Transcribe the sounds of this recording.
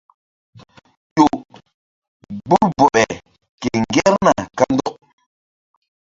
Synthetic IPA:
jo˨ʔ | bu˦bɔ˨ʔɛ˨ | ke˨ŋ˨ɡɛ˦ɾna˨ka˦n˦dɔ˦ʔ

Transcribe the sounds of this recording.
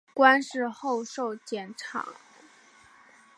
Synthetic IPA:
kwa˥nʂɻ̩˥˧xo˥˧ʊʂo˥˩ʊt͡ɕjɛ˨˩nʈ͡ʂʰɑ̰˨˩˥ŋ

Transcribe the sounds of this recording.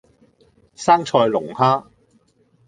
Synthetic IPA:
saː˥ŋt͡ʃʰɔː˧jlʊ˨˩ŋhaː˥

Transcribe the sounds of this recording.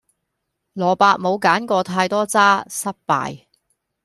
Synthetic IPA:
lɔː˨˩paː˧k̚mo˨˧wkaː˨˥nkʷɔː˧t̪ʰaː˧jt̪ɔː˥t͡saː˥sɐ˥p̚pa̰ː˨j

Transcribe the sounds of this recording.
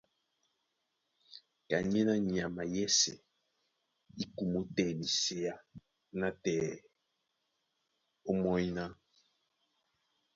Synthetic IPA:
ka˨ɲɛ˦na˦ɲi˨a˨ma˨jɛ˦sɛ̰˨ | i˦ku˨mu˦tɛ˨ni˨se˦ja˦ | na˦tɛ˨ | o˦mɔ˦jna˦

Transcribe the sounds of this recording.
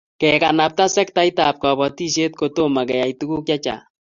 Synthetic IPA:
kɛ˨ka˨na˨p̚ta˦sɛ˦k̚ta˦ita˨p̚kɔ˨bɔ˨ti˦ʃ̬e˦t̚ko˦to˦ma˨kɛ˨ja˨itu˦ku˦kja˦t͡ʃa̰˨

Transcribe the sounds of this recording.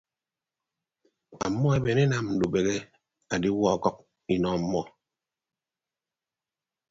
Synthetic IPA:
a̰˨mːɔ˦e˦be˨ne˦na˨mn̩˨du˨be˨ɣe˦ | a˨di˦wɔ˦a˨kɔ˦k̚ | i˨nɔ˨˦mːɔ˦

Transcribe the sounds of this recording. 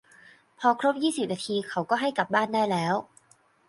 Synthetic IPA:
pʰɔː˧kʰɾo˦˥p̚jiː˥˩si˨˩p̚naː˧t̪ʰiː˧kʰa˨˥wkɔː˥˩ɦa˥˩jka˨˩p̚baː˥˩ndaː˥˩jlɛː˦˥w

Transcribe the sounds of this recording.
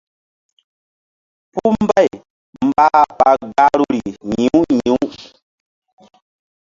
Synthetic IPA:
pu˦m̩˦ba˦˨j | m̩˨ba˦pa˨ɡa˦ɾu˦ɾi˨ɲĩ˨u˦ɲĩ˨˦u˦

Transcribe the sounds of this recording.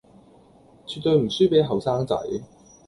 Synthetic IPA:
t͡sʰyː˨t̪ɵ˧ɥm̩˨˩syː˥pe˨˥jɦɐ˨wsaː˥ŋt͡sɐ̰˨˥j

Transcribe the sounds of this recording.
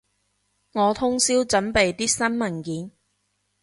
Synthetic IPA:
ŋɔː˨˧t̪ʰʊ˥ŋsiː˥wt͡sɐ˨˥npe˨jt̪iː˥sɐ˥nmɐ˨˩nkiː˨˥n

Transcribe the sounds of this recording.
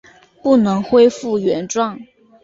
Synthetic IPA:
pu˥˩nɤ˧˥ŋxwe˥ɪfu˥˩ɥɛ˧˥nʈ͡ʂwɑ˥˩ŋ

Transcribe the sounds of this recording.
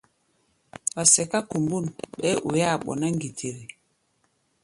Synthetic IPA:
wa˨sɛ˨ka˦ku˨mbu˦˨nɓɛ˦ʔu˨ja˦˨ɓɔ̰˨na˦ŋ˦ɡi˨tʰe˨ɾi˨

